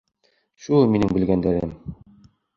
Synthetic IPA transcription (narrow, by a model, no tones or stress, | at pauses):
ɕulminɘŋbɘ̆lɡænd̪æɾɘm